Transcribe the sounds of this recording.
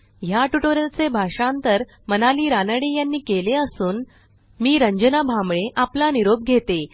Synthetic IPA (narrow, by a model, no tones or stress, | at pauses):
jaʈuʈoɾəlt͡sebʱaʂãnt̪əɾ | mənaliːɾanəɽejanːiːkeleəsuːn | miːɾəɲd͡ʑənabʱamɭeʔaplaniɾob̚ɡʱet̪e